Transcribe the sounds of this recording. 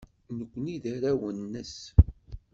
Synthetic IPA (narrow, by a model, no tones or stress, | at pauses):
nəkʷːniðæɾæwənːəs